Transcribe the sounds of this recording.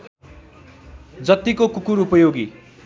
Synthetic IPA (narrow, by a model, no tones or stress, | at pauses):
d͡zʌt̪ːikokukuɾupʌjoɡi